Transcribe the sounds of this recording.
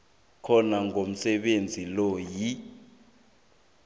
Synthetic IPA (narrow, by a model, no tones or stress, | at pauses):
kʰɔnaŋʱom̩sɛɓend͡zʱilɔji